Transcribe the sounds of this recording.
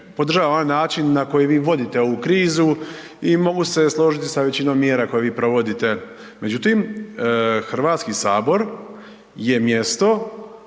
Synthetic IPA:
po̞d̪r̩ʒaːʋaonajnaːt͡ʃinːako̞jiʋiːʋo̞d̪it̪e̞ouukɾiːzu | imo̞ɡuse̞slˠo̞ʒit̪isaʋe̞t͡ɕinomːjeːɾako̞jeʋiːpɾo̞ʋo̞d̪it̪e̞ | me̞d͡ʒut̪iːm | xr̩ʋaːt̪skisaːbo̞ɾ | je̞mje̞st̪o̞

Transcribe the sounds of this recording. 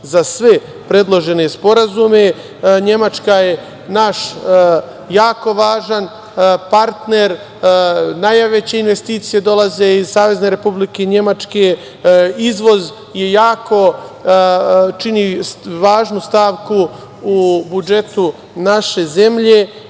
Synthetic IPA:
zasʋe̞ | pɾe̞d̪lˠoʒe̞ne̞spo̞ɾazume̞ | ɲe̞mat͡ʃkaje̞ | naʃ | jaːko̞ʋaːʒan | paɾt̪ne̞ɾ | najaʋet͡ɕe̞inʋe̞st̪iːt̪sije̞d̪o̞laze̞izsaːʋe̞zne̞ɾe̞publike̞ɲe̞mat͡ʃke̞ | izʋo̞z | je̞jaːko̞ | t͡ʃiniʋaːʒnust̪aːʋku | ubud͡ʒe̞t̪u | naʃe̞ze̞mʎe̞

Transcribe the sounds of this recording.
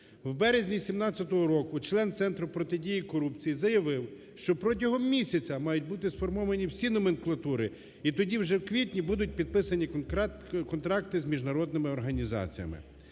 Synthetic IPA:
wbɛɾezʲnʲisʲimnɑt͡sʲːɐt̪ɔɦɔɾɔkʊt͡ʃlˠɛnt̪sɛnt̪ɾʊpɾɔt̪ɪdʲijikɔɾupt͡sʲijizɐjɐʋɪw | ʃt͡ʃɔpɾɔt̬ʲɐɦɔmːʲisʲɐt͡sʲɐmɑjʊtʲbut̪ɪsfɔrmɔʋɐnʲiwsʲinɔmenklˠɐt̪uɾɪ | it̪ɔdʲiwʒɛwkʋʲitʲnʲibud̪ʊt̚ʲpʲid̪̚pɪsɐnʲi | kɔnt̪ɾɑk̚t̪ɪzmʲiʒnɐɾɔd̪nɪmɪɔrɦɐnʲizɑ̰t͡sʲijɐ̰mɪ̰

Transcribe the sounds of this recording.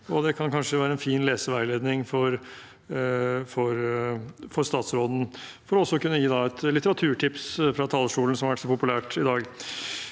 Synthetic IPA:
ɔd̪ɛkʰɑnkʰɑnʂəʋæːɾəɛnfiːnleːsəʋæɪleːd̪nɪŋfɔɾ | fɔɾ | fɔɾst̪ɑːt̪sɾoːd̪n̩ | fɔɾɔɔsːɔkʉnːəjiːd̪ɑɛt̪lɪt̪əɾɑt̪ʰʉːʈʰɪpsfɾɑt̪ʰɑːlːəʂʈuːlən̩sɔmɑɾʋæʈsɔpʊpʉlæːʈɪd̪ɑːɡ

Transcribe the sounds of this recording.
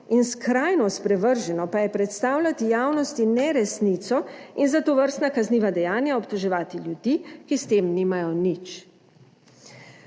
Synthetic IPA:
inskɾaːjnɔspɾɛʋəɾʒɛnɔpajɛpɾɛt̪st̪aːwlat̪ijaːwnɔst̪inɛɾɛsniːt̪sɔinzat̪ɔʋəɾst̪nakazniːʋad̪ɛjaːnjaɔpt̪ɔʒɛʋaːt̪iljud̪ikist̪eːmniːmajɔnit͡ʃ

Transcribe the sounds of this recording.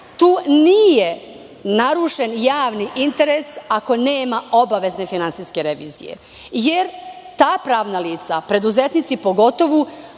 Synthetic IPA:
t̪uːnije | naɾuːʃe̞njaːʋniʔint̪eɾesako̞neːmaobaʋe̞zne̞finant̪siske̞ɾeʋḭːzḭjḛ | jeɾ | t̪aːpɾaːʋnaliːt̪sapɾe̞d̪uzet̪nit̪sipo̞ɡo̞t̪o̞ʋu

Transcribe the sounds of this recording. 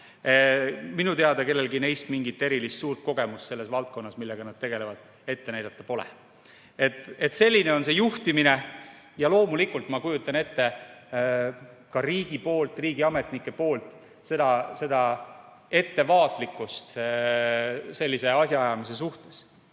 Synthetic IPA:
minut̪eɑd̪ɑke̞lːe̞lɡine̞jst̪miŋɡit̪ːˑe̞ɾilist̪suːrt̪̚ko̞ɡ̥e̞must̪se̞lːe̞svɑlt̪̚ko̞nːɑsmilːeɡ̥ɑnɑd̪̥̚t̪e̞ɡ̥e̞le̞vɑd̪̥ | e̞t̪ːe̞næjd̪̥ɑt̪ːˑɑpo̞lḛ | e̞t̪ːˑe̞t̪se̞lʲːine̞o̞nse̞juht̪imine̞ | jɑlo̞ːmulikːˑult̪mɑkujut̪ːˑɑne̞t̪ːe | kɑɾiːɡ̥ipo̞ːlt̪ˑriːɡ̥iɑme̞t̪nikːˑe̞po̞ːlt̪ˑ | se̞d̪̥ɑse̞d̪̥ɑ | e̞t̪ːe̞vɑːt̪ˑlikːˑust̪ | se̞lʲːise̞ɑsʲjɑɑjɑmis̬e̞s̬uht̪e̞̥s

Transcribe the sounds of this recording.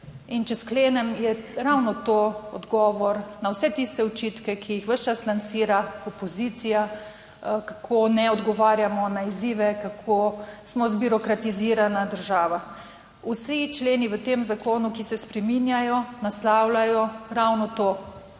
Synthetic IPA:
int͡ʃɛskleːnɛmjɛɾawnɔt̪oɔd̪ɡɔːʋɔɾnawsɛt̪ist̪ɛɔt͡ʃit̪kɛkʰijixʋəʃt͡ʃaslansiːɾaɔpɔzit̪sija | kakʰonɛɔd̪ɡɔʋaːɾjamɔnaiziːʋɛkakʰosmɔzbiɾɔkɾat̪iziːɾanad̪əɾʒaːʋa | usit͡ʃleːniʋət̪emzakoːnukisɛspɾɛminjajɔnaslawlajɔɾawnɔt̪oː

